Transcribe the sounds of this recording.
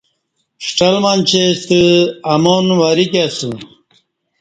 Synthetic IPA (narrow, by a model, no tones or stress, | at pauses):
ʂʈɐlmant͡ɕʰest̪ɨɐmonwaɾikasu